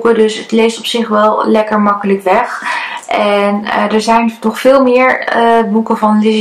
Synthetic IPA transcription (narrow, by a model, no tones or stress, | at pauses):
kədɵsətlejstɔpsɪχʋɛlˠlɛkəɹmɑkələkʋɛχʔɛndəɹzɛjntɔχfɪːlˠmɪːɹbukəvɑnle